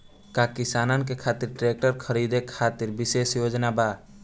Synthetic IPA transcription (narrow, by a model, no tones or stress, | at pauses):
kaːkɪsaːnankekʰaːt̪ɪɾʈɾeːk̚ʈəɾkʰəɾiːd̪ekʰaːt̪ɪɾbɪseːsjoːd͡ʒnabaː